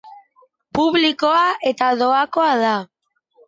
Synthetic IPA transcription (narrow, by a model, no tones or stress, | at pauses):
puβlikoaʔet̪aðoakoaða